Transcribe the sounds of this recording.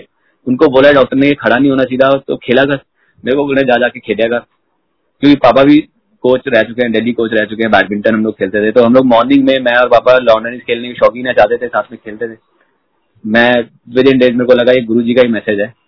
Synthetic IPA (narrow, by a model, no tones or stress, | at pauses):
ʊnkoboːlaɛɖɔːk̚ʈəɾnekekʰɐɽanɐɦĩɦoːnat͡ʃaid̪at̪o̰kʰeːlakə | meːɾkoboːlnẽd͡ʒaːd͡ʒaːkekʰeːljakaɾ | kjõːkipaːpabʱi | koːt͡ʃɾɛɦt͡ʃʊkeɦɛ̃ɖeːlikoːt͡ʃɾɛɦt͡ʃʊkeɦɛ̃bɛːkmɪ̃ɳʈə̃nɦɐ̃mloːɡ̚kʰeːlt̪et̪ʰet̪oɦɐmloːɡ̚mɔːɾnɪ̃ŋɡmẽmɛ̃ɔːɾpaːpalɔ̃ːɳɖənɪskʰeːlnekiʃɔːkɪ̃ŋnat͡ʃaːɦt̪et̪ʰesaːt̪ʰmẽkʰeːlt̪et̪ʰeː | mɛ̃ː | ʋɪd̪ɪnɖeːzmeːɾekolɐɡaeːɡʊɾud͡ʒikaimɛːsed͡ʒɦɛː